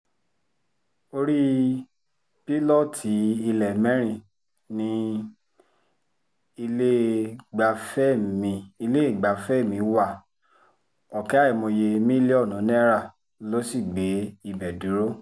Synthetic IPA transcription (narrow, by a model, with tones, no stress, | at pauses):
o˧ɾi˦ | pi˦lɔ˦˨tʰi˨˦i˧lɛ˨mɛ̃˦ɾ̃ĩ˧˨ | nĩ˧ | i˧le˦ɡ͡ba˧fɛ˦˨mĩ˧i˧le˦˨ɡ͡ba˨˦fɛ˦˨mĩ˨˧wa˦˨ | ɔ˨kɛ˨˦a˦i˦˨mo˧je˧mĩ˦li˦ɔ˦˨nũ˨˦nɛ̃˦ɾa˦˨ | lo˦si˦˨ɡ͡be˨˦i˦˧bɛ˨du˨˦ɾo˦